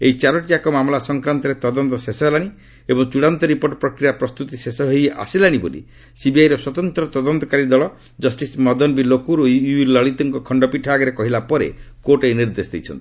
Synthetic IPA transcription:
ḛit͡ʃaɾɔʈiakɔmamlasɔŋkɾant̪ɔɾet̪ɔd̪ɔnt̪ɔsesɔɦlaɽ̃i | ebɔŋt͡ʃuɽant̪ɔɾipoɾʈɔpɾɔkɾijapɾɔst̪ut̪isesɔɦeja̰silaɽ̃ibolḭ | sibiajɾɔswɔt̪ɔnt̪ɾɔt̪ɔd̪ɔnt̪ɔkaɾid̪ɔɭɔ | d͡ʒɔsʈismɔd̪ɔnbilokuɾoulɔɭit̪ɔŋkɔkʰɔɳɖɔpiʈʰaːɡɔɾekɔɦilapɔɾḛ | koʈejniɾd̪esd̪ḭjt͡ʃʰɔnt̪i̥

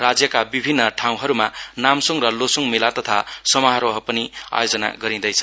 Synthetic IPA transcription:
rad͡zjʌkabibʱinːʌʈʰaw̃ɦʌɾumanamsʌŋɾʌlosuŋmilat̪ʌt̪ʰasʌmʌɦaɾoɦʌpʌnia̰jod͡zʌna̰ɡʌɾĩd̪ʌjt͡sʰʌ̥

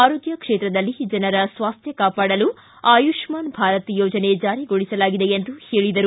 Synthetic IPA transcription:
aːɾoːɡjɐkʂeːt̪ɾɐd̪ɐlːid͡ʒɐnɐɾɐsʋaːst̪ʰjɐkaːpaːɽɐlu | aːjuʂmaːnbʱaːɾɐt̪joːd͡ʒɐne̞d͡ʒaːɾiɡoɭisɐlaːɡid̪e̞ent̪uhe̞ːɭid̪ɐɾu

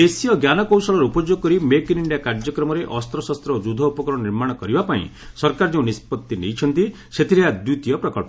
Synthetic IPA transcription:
esijɔɡjanɔkɔwsɔɭɔɾeupɔd͡ʒoɡɔkɔɾimekniɳɖijakaɾd͡ʒɔkɾɔmɔɾeʔɔst̪ɾɔsast̪ɾɔd͡ʒud̪ʱɔupɔkɾɔɔniɾmaɽ̃ɔkɔɾibapaḭ̃ | sɔɾkaɾd͡ʒeũnispɔt̪ːinḛjt͡ʃʰɔnt̪i | set̪ʰiɾead̪ut̪ijɔpɾɔkɔɭpɔ

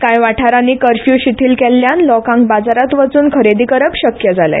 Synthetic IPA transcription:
kãjʋaʈʰaɾaniːkəɾfjuːɕit̪ʰiːlkɛlːjanlɔkãŋk̚bad͡zaɾat̪ʋət͡suːnkʰəɾed̪iːkəɾəpɕəkjəd͡zalə̰

